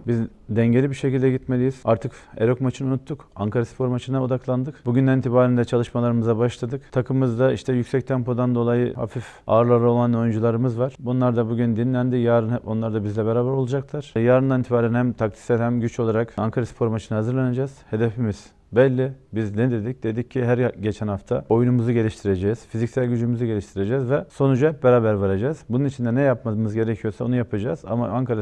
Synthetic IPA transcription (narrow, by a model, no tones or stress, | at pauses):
bizd̪ɛɲɟe̞lʲibiɾʃe̞cilʲd̪ɛɟit̪me̞lʲijiz̥aɾt̪ʰɯkeɾo̞kmat͡ʃʰɯnunut̪ʰːukaŋkʰaɾaspʰo̞ɾmat͡ʃʰɯnaod̪aklˠand̪ɯkbuɟynd̪ɛnint̪ʰibaːɾind̪ɛt͡ʃʰalˠɯʃmalˠaɾɯmɯzabaʃlˠad̪ɯkt̪ʰakʰɯmɯzd̪aḭʃt̪ʰɛjycsɛc̚t̪ʰɛmpo̞d̪and̪o̞lˠajɯha̰fif | a̰ːɾlˠaɾɯo̞lˠano̞jynd͡ʒulˠaɾɯmɯzvaɾ̥bunlˠaɾd̪abuɟynd̪inlʲænd̪ijaːɾɯno̞nlˠaɾd̪abizlʲɛbeɾaːbæɾolˠud͡ʒaklˠaɾ̥jaːɾɯnd̪anit̪ʰibaːɾænhæmt̪ʰak̚t̪ʰi̥sɛɾhæmɟyt͡ʃʰolˠaɾakaŋkʰaɾasi̥pʰo̞ɾmat͡ʃʰɯnahazɯɾlʲaned͡ʒaːz̥he̞d̪efimiz̥ | bɛlʲːibiznɛd̪e̞d̪ic̚d̪̥e̞d̪icʰːiɦæɾɟe̞t͡ʃʰɛnhaft̪ʰao̞jnumuzuɟe̞lʲiʃt̪ʰiɾed͡ʒɛz̥fizicsælʲɟyd͡ʒymyzuɟe̞lʲiʃt̪ʰiɾe̞d͡ʒɛːzvɛso̞nud͡ʒuhɛp̚beɾaːbæɾvaɾad͡ʒaːzbununit͡ʃʰind̪ɛnɛjapmamɯzɟe̞ɾecʰijo̞ɾsaonujapʰad͡ʒaːza̰ma̰anŋkʰaɾa